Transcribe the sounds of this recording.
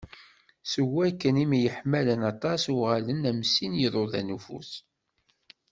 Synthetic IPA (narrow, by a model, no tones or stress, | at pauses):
səwːækːənimijəħmælənɑt̪ˤɑsuʁalənæmsinjəðˤoðænufṵs